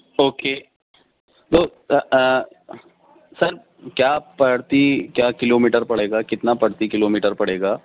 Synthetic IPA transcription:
oːkeː | t̪oː | sɐɾ | kjaːpɐɽt̪ikjaːkɪloːmiːʈəɾpɐɽ̤eːɡaːkɪt̪napɐɽt̪ikɪloːmiːʈəɾpɐɽ̤eːɡaː

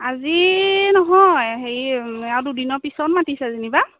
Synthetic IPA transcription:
azinɔɦɔjɦejawdudinɔɹpisɔtmatisɛaziniba

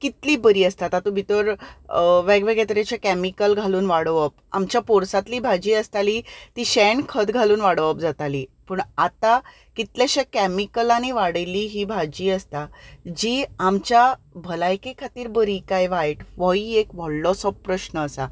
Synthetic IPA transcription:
kit̪liːbəɾiːəst̪at̪at̪ũbʱit̪əɾ | ʋɛɡʋeɡet̪ɾet͡ɕakæmikəlɡʱaluːnʋaɽʋəp̚ | a̰mt͡ɕjapoɾsat̪liːbʱad͡ʑiːəst̪aliːt̪iːɕɛnkʰəd̪ɡʱaluːnʋaɽʋəp̚d͡zat̪aliːpəɳat̪a | kit̪laɕekæmikəlañiʋaɽəjliːɦiːbʱad͡ʑiːəst̪ad͡ʑiːamt͡ɕjabʱəlajkekʰat̪iːɾbəɾiːkajʋajʈʋɔiekʋɔɽlɔsɔppːɾəɕnəːsa

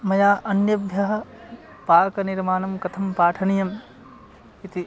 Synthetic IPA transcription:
mɐjaːʔɐnjɐbʱjɐɦɐ̆ | paːkɐniɾmaːnɐmkɐt̪ʰɐmpaːʈʰɐnijɐm | it̪i

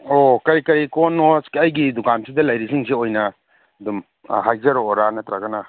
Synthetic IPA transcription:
okɐɾikɐɾikonoskiɐjɡidukansʰidɐlɐjɾisiŋseojnɐ | ɐdum | ɦajzɐɾoːɾanɐtɾaɡɐna

